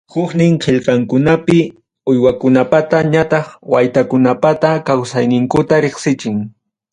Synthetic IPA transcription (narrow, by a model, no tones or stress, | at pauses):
hʊχnɪŋqʰeʎqɑŋkʊnapɪ | ʊjwakʊnapat̪aɲat̪ɑχwajt̪akʊnapat̪akawsajnɪŋkʊt̪aɾeχsɪt͡ʃɪŋ